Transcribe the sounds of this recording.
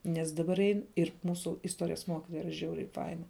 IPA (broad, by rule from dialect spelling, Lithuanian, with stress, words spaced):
nʲɛs ˈdɑːbɐr ˈɛɪn ɪr ˈmuːsʊ ɪsˈtuɔrʲɪjɛs ˈmuɔkʲɪtoːjɛ ˈiːrɐ ˈʒʲɛʊrʲɛɪ ˈfɐɪnɐ